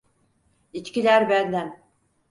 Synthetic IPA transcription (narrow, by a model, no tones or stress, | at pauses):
it͡ʃcilʲæɾbænd̪æn